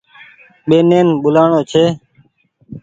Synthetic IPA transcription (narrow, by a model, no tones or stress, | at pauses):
ɓeːneːnɓʊlaːɳoːt͡ʃʰeː